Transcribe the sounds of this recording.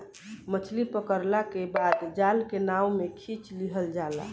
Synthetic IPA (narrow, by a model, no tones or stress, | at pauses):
mət͡ʃʰlipəkəɾlakebad̪d͡ʒalkenaumekʰit͡ʃliɦəld͡ʒala̰